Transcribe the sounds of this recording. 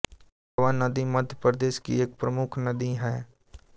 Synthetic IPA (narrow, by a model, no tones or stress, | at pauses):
ʋanːəd̪imɐd̪ʱjəpəɾd̪eːʃkḭeːk̚pɾəmʊkʰnəd̪iɦɛː